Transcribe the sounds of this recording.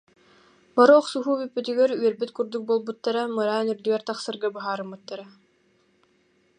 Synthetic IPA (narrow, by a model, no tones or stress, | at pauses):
baɾɔɔχsuɦuːbypːyt̪yɡɛɾyœɾbyt̪kuɾd̪uk̚boːlˠbut̪ːaɾamɯɾaːnyɾd̪yɡɛɾt̪aχsɯɾɡabɯɦaːɾɯmbɯt̪ːaɾa